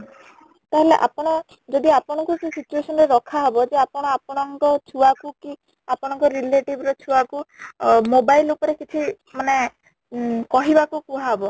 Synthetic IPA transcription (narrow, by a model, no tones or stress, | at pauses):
t̪aɦeleʔa̰pɔɽ̃ɔ | d͡ʒɔd̪iapɔɽ̃ɔŋkusesit͡ʃuesɔnɔɾeɾɔkʰaɦɔbɔd͡ʒeapɔɽ̃ɔapɔɽ̃ɔŋkɔt͡ʃʰuakuki | apɔɽ̃ɔŋkɔɾileʈibɾɔt͡ʃʰuakumobailːokɔɾekit͡ʃʰi | mane | kɔɦibakukuɦaɦɔbɔ